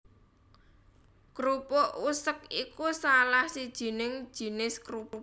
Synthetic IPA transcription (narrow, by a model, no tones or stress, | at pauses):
kɾupoʔusək̚ikusalahsid̥ʒ̥i̤nɪŋd̥ʒ̥i̤nɪskɾup